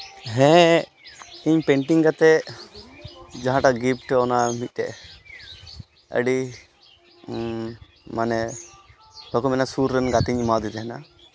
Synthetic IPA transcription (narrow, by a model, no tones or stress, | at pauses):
ɦɛ̃ | iɲpɛɳʈiŋɡat̪ɛ | d͡ʒaɦãʈaɡip̚ʰʈɔnamit̪̚ˀt̪ɛ̰ʔ | ə̰ɖi | manɛ | pəkɔmɛnasuɾːɛnɡat̪iɲmad̪it̪ɛɦɛna̰